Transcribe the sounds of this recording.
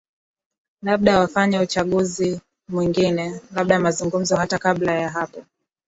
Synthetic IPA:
laɓ̚ɗawafaɲɛut͡ʃaɠuzi | mwiŋɡinɛlaɓ̚ɗamazuŋɡum̩zɔɦatakaɓlajaɦapɔ

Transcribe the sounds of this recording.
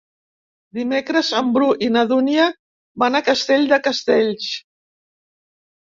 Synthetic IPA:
d̪imekɾəzəmbɾuʔinəðuniə | banakəst̪eʎd̪əkəst̪eʎs

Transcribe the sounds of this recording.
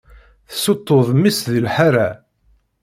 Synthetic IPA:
θsot̪ˤːoðˤmːisðilħaɾa

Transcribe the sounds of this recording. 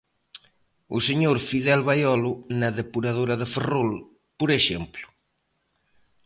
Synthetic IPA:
useɲoɾfiðɛlβajɔlʊnaðepuɾaðoɾaðeferol | poɾeʃemplʊ̥

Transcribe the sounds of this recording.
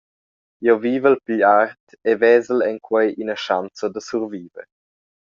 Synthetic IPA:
joviːvəlpiʎart̪ | evɛːzəlɛŋkʰwɛjʔinəʃant͡sod̪əsuɾviːvə̰ɾ

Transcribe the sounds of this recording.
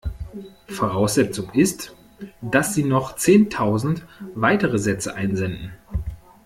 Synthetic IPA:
foʁaʊsz̥ɛt͡sʊŋɪst | d̥asz̥iːnɔχt͡seːntʰaʊzn̩tvaɪtəʁəzɛt͡səʔaɪnzɛndn̩

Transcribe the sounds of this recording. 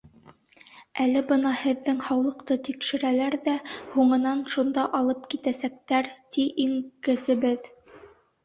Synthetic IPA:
ælɘbɤnɑhɘ̆ðːɘŋhɑwlˠɤ̆qt̪ɤt̪ikʃɘ̆ɾælæɾðæhuɴɤ̆nɑnʃund̪ɑʔɑlˠɤp̚kit̪æsæk̚t̪æɾt̪iʔiŋkɘ̆sɘ̆βɘð

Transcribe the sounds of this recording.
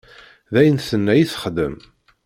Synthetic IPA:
ðæjənθənːæjiθə̥χd̪ə̰m

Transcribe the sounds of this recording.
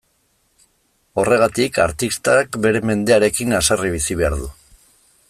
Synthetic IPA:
o̞re̞ɣ̞at̪ika̰ɾt̪ist̪akbe̞ɾe̞me̞nd̪e̞aɾe̞kinasariβ̞isiβe̞aɾðu

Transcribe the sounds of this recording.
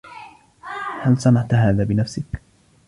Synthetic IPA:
halsˤɑnaʕt̪ɦaːðaːbɪnafsɪk

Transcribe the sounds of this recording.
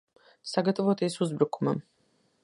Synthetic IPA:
saɡat̪ʼvɔt̪ʰɛsuzbɾkʰumam

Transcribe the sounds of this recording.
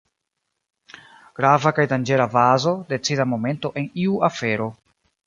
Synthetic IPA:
ɡ̥ɾavakajdand͡ʒe̞ɾavazo̞de̞t͡sidamo̞me̞nto̞ʔe̞niuafe̞ɾo̞

